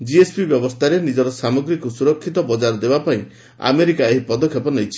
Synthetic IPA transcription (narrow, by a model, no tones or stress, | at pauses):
d͡ʒiespʰibjɔbɔst̪ʰaɾenid͡ʒɔɾɔsamɔɡɾikusuɾɔkʰːit̪ɔbɔd͡ʒaɾd̪ebapaĩ | a̰meɾikaeɦipɔd̪ɔkʰːjɔpɔnejt͡ʃʰi̥